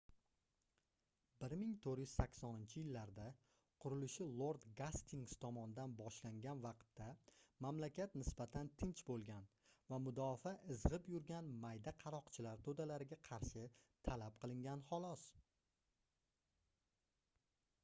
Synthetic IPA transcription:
bɪɾmɪŋt̪ʰoɾjyz̥sakʲsɒnɪnt͡ʃʰɪjɪlːaɾd̪a | qʰʊɾɪlɪʃɪlˠoɾd̪ɡast̪ʰiŋst̪ʰɒmɒnɪd̪anbɒʃlaŋɡʲanvɑqt̪ʰːamamlakʲat̪nɪsbat̪ʰant̪ʰɪnt͡ʃbolˠɡʲan | vamʊd̪ɒfaʔɪzʁɨpjʊɾɡʲanmajd̪aqʰɑɾɒqt͡ʃʰɪlaɾt̪ʰod̪alaɾɪɡʲaqʰɑɾʃɪt̪ʰalap̚qʰɨlˠɪŋɡʲanχɒlˠɒs

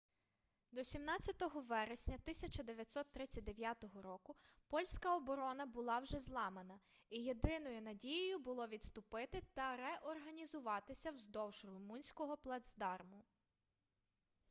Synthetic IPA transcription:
d̪ɔsʲimnɑt͡sʲːɐt̪ɔɦɔʋɛɾesʲnʲɐt̪ɪsʲɐt͡ʃɐd̪eʋʲjɐt̪ʲsɔt̪ːɾɪt͡sʲɐt̚ʲd̪eʋʲjat̪ɔɦɔɾɔkʊpɔlʲsʲkɐɔbɔɾɔnɐbʊlˠɑwʒɛzlˠɑmenɐ | ijed̪ɪnɔjʊnɐdʲijʊjʊbʊlˠɔʋʲid̪st̪ʊpɪt̪ɪt̪ɐɾɛʔɔrɦɐnʲizʊʋɑt̪ɪsʲɐwzd̪ɔwʒrʊmunʲsʲkɔɦɔplˠɐd̪zd̪ɑrmʊ

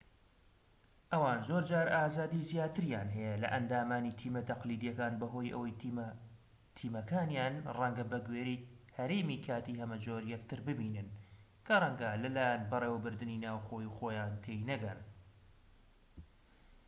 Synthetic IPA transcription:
ʔɐwaːnzoːɾd͡ʒaːɾaːzaːd̪iːzjaːt̪ɨɾjaːnɦɛjɐlɐ̰ʔɐnd̪aːmaːnit̪ʰiːmɐt̪ɐqliːd̪ijɐkaːnbɐɦoːjʔɐ̰wɐj | t̪ʰiːmɐkʰaːnjaːnrɐŋɡɐbɐɡweːɾihɐɾeːmiːkʰaːt̪iːhɐmɐd͡ʒoːɾjɛk̚t̪ɨɾbɨbiːnɨn | kʰɐrˤɐŋɡɐlɐlaːjanbɨreːwbɨɾd̪ɨninaːwxoːjuxoːjaːnt̪ʰejnɐɡɐn

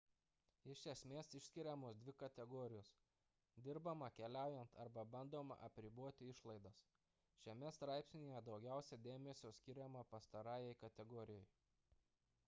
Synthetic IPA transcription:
ɪʃʲʃʲɛsʲmʲeːsɪʃʲsʲkʲɪɾʲɛmoːsd̪ʲʋʲɪkɐt̪ʲɛɡɔːɾʲɪjoːs | d̪ʲɪɾbɐmɐkʲɛlʲæˑʊjɛnt̪ʰɐɾbɐbɐnd̪oːmɐ̰ʔɐpʲɾʲɪbuɔt̪ʲɪɪʃlˠɐɪd̪ɐs | ʃʲɛmʲɛst̪ɾɑˑɪpʲsʲnʲejɛd̪ɒʊɡʲæˑʊsʲɛd̪ʲeːmʲɛsʲoːsʲkʲɪɾʲɛmɐpɐst̪ɐɾɑːjɛɪkɐt̪ʲɛɡɔːɾʲɪjɔj

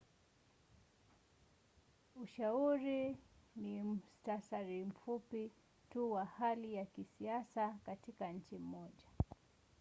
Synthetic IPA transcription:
uʃauɾinim̩stasaɾim̩fupi | tuwahalijakisiasakatikaɲ̩t͡ʃim̩mɔʄa

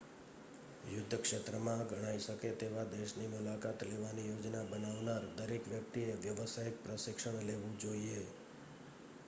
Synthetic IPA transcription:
jʊd̪ʱːəkʃet̪ɾəmãɡʱəɽ̃aiʃəket̪eʋad̪eʃnimulakat̪leʋanijod͡ʒnabənaʋnaɾd̪əɾekʋjək̚t̪ieʋjəʋsajik̚pɾəʃɪkʃəɳ̃leʋũd͡ʒoie

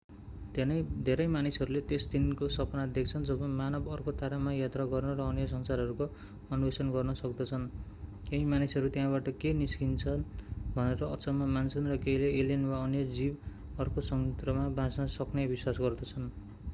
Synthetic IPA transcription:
d̪nd̪ʱeɾʌjmanisʌɾulet̪esd̪inkosʌpnad̪ekʰt͡sʰʌnd͡zʌbʌmanʌbʌrkot̪aɾamajat̪raɡʌrnʌɾʌːnjʌs̬ʌnsarɦʌɾuko | ʌnubesʌnɡʌrnʌsʌkd̪ʌt͡sʰʌnkeimanisʌɾut̪jãbaʈʌkeniskint͡sʰʌnbʱʌneɾʌʌt͡sʌmamansʌnrʌkejleelenwaʌnjʌd͡zib | ʌrkosʌŋt̪rʌmabãsnʌsʌknebiswasɡʌrd̪ʌt͡sʰʌn

